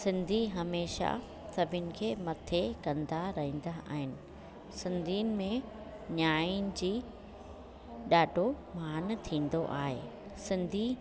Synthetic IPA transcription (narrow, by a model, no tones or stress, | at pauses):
sɪ̃nd̪ʱiɦɐmeːʃa̰ | sɐbʱɪnɪ̆kʰeːmɐt̪ʰekɐ̃nd̪aɾɐɦĩːn̆d̪aʔa̰ːɦɪnɪ̆ | sɪ̃nd̪ʱiːənɪ̆mẽ | ɲaːjnɪ̆d͡ʑiː | ɗaːɖʱo | maːnt̪ʰĩːn̆d̪oʔa̰ːɦḛː | sɪ̃nd̪ʱi